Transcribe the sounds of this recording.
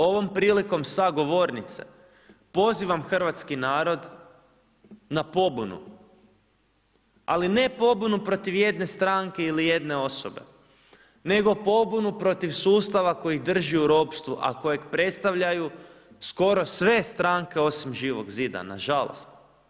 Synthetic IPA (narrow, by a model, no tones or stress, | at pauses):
o̞ʋo̞mpɾiːliko̞msaɡo̞ʋo̞ɾnit̪sḛ | po̞ziʋamxr̩ʋat̪skinaːɾo̞d̪ | napo̞bunṵ | a̰line̞po̞bunupɾo̞t̪iʋje̞d̪ne̞st̪ɾaŋke̞ilije̞d̪ne̞o̞sobe̞̰ | ne̞ɡo̞po̞bunupɾo̞t̪iʋsuːst̪aʋako̞jixd̪r̩ʒiuɾo̞pst̪ʋuʔa̰ko̞jekpɾe̞t̪st̪aʋʎaju | sko̞ɾo̞sʋe̞st̪ɾaŋke̞o̞simʒiːʋo̞ɡziːd̪a̰na̰ʒalˠo̰st̪